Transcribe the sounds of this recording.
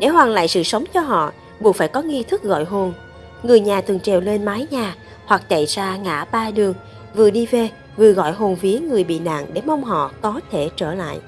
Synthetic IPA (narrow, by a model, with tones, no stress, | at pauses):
ɗe˧˩ɦwaː˨˩ŋla̰ː˧˨jsɨ̰˧˨sə˨˦wŋ͡mt͡ɕɔ˧ɦɔ̰˧˨ | ɓu˨˩əkfaː˧˩jkɔ˨˦ŋi˧t̪ʰɨ˦˥k̚ɣɔ̰˧˨jɦo˨˩n | ŋɨ˨˩əjɲaː˨˩t̪ʰɨ˨˩əŋt͡ɕɛ˨˩wle˧nmaː˨˦jɲaː˨˩ | hwa˨˩k̚t͡ɕa˧˨jsaː˧ŋa̰ː˧˩ɓaː˧ɗɨ˨˩əŋ | vɨ˨˩əɗi˧ve˨˩ | vɨ˨˩əɣɔ̰˧˨jɦo˨˩nvi˨˦əŋɨ˨˩əjɓḭ˧˨na̰ː˧˨ŋɗe˧˩mə˧wŋ͡mɦɔ̰˧˨kɔ˨˦t̪ʰe˧˩t͡ɕəː˧˩la̰ː˧˨jʔ